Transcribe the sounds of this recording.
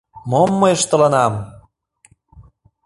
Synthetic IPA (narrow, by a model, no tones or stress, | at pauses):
momːɤjəʃt̪ɤ̆lɑnɑm